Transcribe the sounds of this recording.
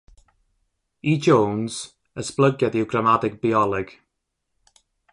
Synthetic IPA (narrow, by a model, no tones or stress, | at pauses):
id͡ʒownz̥ | əsblˠəɡjadɪwɡramadɪɡ̚biɔlˠɪɡ̥